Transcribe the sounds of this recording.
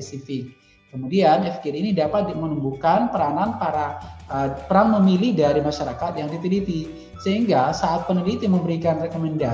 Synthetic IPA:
ɛsifɪk̚ː | əmudianɛfkiɾinidapat̪̚mənəmbukanpəɾananpaɾaəpəɾaŋməmilihdaɾimaʃaɾakat̪̚jaŋt̪it̪idit̪i | səɦiŋɡasaʔːt̪̚pənəlit̪iməmbəɾikanrekomɛnda

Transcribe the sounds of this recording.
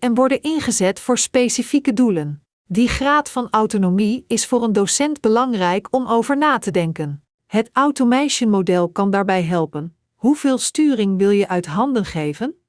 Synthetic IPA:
ɛnʋɔɹdənɪnχəzɛtfʊːɹspejsifikədulən | diχraːtfɑnawtonomiɪsfʊːrəndosɛndbəlɑŋrɛjkɔmowvəɹnaːtədɛŋkən | ɦətawtomɛjʃənmodɛlˠkɑndaːɹbɛjɦɛlˠpən | ɦuv̥ɪːlˠstyːrɪŋʋɪlˠjəʔœɥtɦɑndənχejvən

